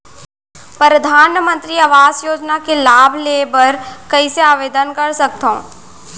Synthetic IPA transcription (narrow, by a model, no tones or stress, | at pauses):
pəɾɐd̪ʱaːnmə̃nt̪ɾiɐʋaːzjoːd͡ʒnakelaːbʱleːbəɾkɐiseaːʋeːd̪ənkɐɾsɐk̚t̪õː